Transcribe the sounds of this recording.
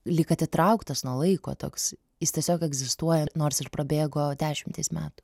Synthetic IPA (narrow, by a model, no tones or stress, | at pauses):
lʲɪkɐt̪ʲɪt̪ɾɐʊkt̪ɐsnuɔlˠɐɪko̰ːt̪o̰ːks | jɪstʲɛsʲoːkɛɡzʲɪst̪uɔjɛnoːrsɪrpɾɐbʲeːɡoːd̪ʲæːʃʲɪmt̪ɐɪsmʲæːt̪ʊ̥